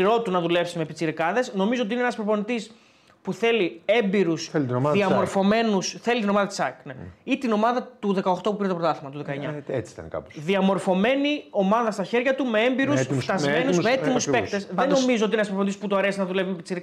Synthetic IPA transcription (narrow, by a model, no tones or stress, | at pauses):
ɾo̞t̪unɐðule̞psimepit͡siɾikɐðe̞sno̞mizoot̪̬inenɐspɾoponit̪is | puθe̞lie̞mbiɾusθelt̪noɐðiɐɐmo̞ɾfo̞me̞nusθe̞lit̪ino̞mɐðɐt̪i̥sɐkneit̪ino̞mɐðɐt̪uðe̞kɐo̞xt̪o̞pupiɾt̪pɾot̪ɐθimɐt̪uðekɐeɲɐet͡si̥t̪ɐ̰nkɐ̰poðiɐmo̞ɾfo̞me̞nio̞mɐðɐst̪ɐçe̞ɾʝɐt̪ume̞embiɾust̪ft̪ɐzmmenusmeet̪imuuspe̞kt̪esðeno̞mizot̪inenɐspɾponit̪isput̪oɐɾe̞sinɐðulevimepit͡siɾi